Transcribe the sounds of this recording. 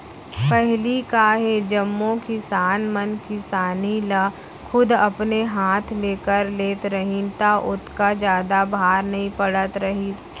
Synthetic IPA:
pɛɦlikaɦed͡ʒɐmːõkɪisaːnmənkɪsaːnila | xʰʊd̪ɐpneɦaːt̪ʰleːkəɾleːt̪ɾɐɦĩnt̪aʔʊt̪ʰkad͡ʒjaːd̪abʱaːɾnɐɦĩpɐɽət̪ɾɐɦi

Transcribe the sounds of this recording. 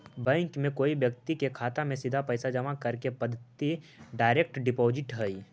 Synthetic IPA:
bɛ̃ːŋkmẽkoːibjək̚t̪ikekʰaːt̪amẽsɪd̪ʱapɛjsad͡ʒɐmakɐɾkepɐd̪ʱt̪i | ɖaːɪɾek̚ʈɖɪpoːd͡ʒɪʈɦəiː

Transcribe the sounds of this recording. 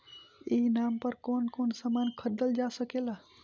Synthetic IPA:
inampəɾkonkonsamankʰəɾd̪əld͡ʒasəkela

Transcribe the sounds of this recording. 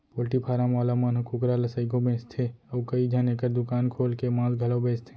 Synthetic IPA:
poːlʈipʰaːɾãmaːlamənkʰʊkɾalɐsəɪɡõbẽːst̪ʰeəːkəid͡ʒʱãnẽkəɾd̪ʊkaːnkʰoːlkemãːlɡʱɐlobẽːst̪ʰe̥

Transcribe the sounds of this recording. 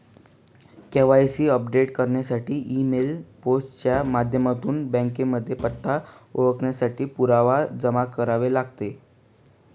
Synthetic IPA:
keʋajsiːəpɖeʈkəɾɳjasaʈʰiːʔimelposʈt͡ɕjamad̪ʱjəmat̪uːnbə̃ŋkeməd̪ʱːjepət̪ʰːa | oʋəkɳjasaʈʰiːpuɾaʋad͡zəmakəɾaʋelaɡ̚t̪e

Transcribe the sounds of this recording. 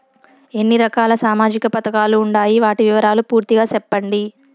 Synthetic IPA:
e̞nːiɾɐkaːlɐsaːmaːd͡ʒikɐpɐt̪ɐkaːluːɳɖaːjiʋaːʈiʋiʋɐɾaːlupuːɾt̪iɡaːsɛpːɐɳɖi

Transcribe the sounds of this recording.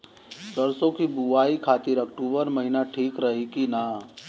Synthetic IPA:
t͡ʃəɾsõkibuʋaːikʰaːt̪ɪɾɐk̚ʈuːbəɾmɐɦinaʈʰiːkɾɐɦikinaː

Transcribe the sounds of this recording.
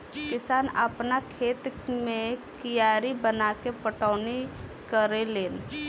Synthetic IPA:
kɪsaːnəpnakʰeːt̪mẽkijaːɾibənakepəʈaʊnikəɾeleːn

